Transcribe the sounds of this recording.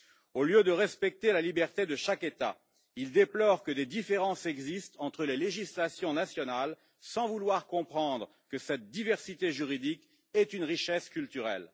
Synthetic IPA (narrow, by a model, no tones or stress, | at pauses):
oljød̪əʁɛspɛk̚t̪elalibɛʁt̪ed̪əʃaket̪a̰ | ild̪eplɔʁkəd̪ed̪ifeʁɑ̃sɛɡzist̪ɑ̃t̪χəleleʒislasjɔ̃nasjɔnal | sɑ̃vulwaʁkɔ̃pχɑ̃d̪ʁə | kəsɛt̪̚d̪ivɛʁsit̪eʒyʁid̪ik | ɛt̪ynʁiʃɛskʲylt̪yʁɛ̰l